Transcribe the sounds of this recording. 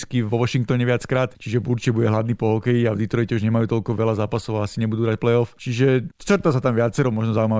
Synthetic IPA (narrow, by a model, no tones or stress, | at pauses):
skivʋɔʋɔʃiŋk̚t̪ɔɲɛʋɪat͡skɾaːt̪t͡ʃiʒɛbuɾt͡ʃibuɟɛɦlad̪niːpɔɦɔkɛjiavd̪it̪ɾɔjcɛuʒɲɛmajuːt̪ɔʎkɔʋɛlazaːpasɔʊaasiɲɛbud̪uːɦɾac̚plɛɔft͡ʃiʒɛɾt̪as̬at̪amʋɪat͡sɛɾɔmɔʒnɔzauima